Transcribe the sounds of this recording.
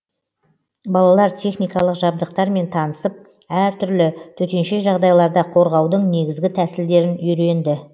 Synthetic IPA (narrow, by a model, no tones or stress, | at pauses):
bɑlˠɑlˠɑɾt̪ʲʰe̞χnijkɑlˠəqʒɑb̚d̪əqt̪ɑɾme̞nt̪ʰɑnəsəp̚ | æɾt̪ʰʏɾlɪt̪ʰɵt̪e̞nʃe̞ʒɑʁd̪ɑjlˠɑɾd̪ɑqʰo̞ɾʁɑwd̪əɴne̞ɡʲɪzɡʲɪt̪ʰæsɪld̪e̞ɾɪnʏɾe̞nd̪ɪ